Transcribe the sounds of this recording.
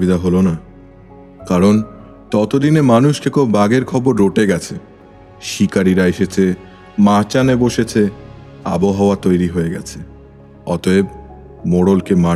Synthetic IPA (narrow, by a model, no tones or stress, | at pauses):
id̪aɦolona | kaɾon | tɔt̪od̪inemanuʃkekʰobaɡeɾkʰɔboɾːoʈeɡɛt͡ɕʰe | ʃikaɾiɾaeʃet͡ɕʰe | mat͡ɕaneboʃet͡ɕʰe | a̰boɦaoat̪ojɾiɦoeɡɛt͡ɕʰe̥ | ɔt̪oeb̚ | moɽolkema